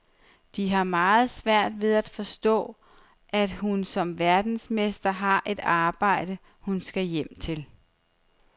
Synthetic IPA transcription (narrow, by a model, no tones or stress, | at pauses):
d̥iɦɑ̈mɑ̈ːð̞̩ˠsʋæɐ̰d̥ʋe̝ð̞ˠæd̥fɒ̽sd̥ɔ̰̽ː | ʔæd̥hunsɒ̽mʋæɐd̥n̩smesd̥ɐɦɑ̈ʔe̝d̥ɑ̈ːb̥ɑ̈ɪ̰ɾ̥ə | hunsɡ̥æjem̰t͡sʰe̝l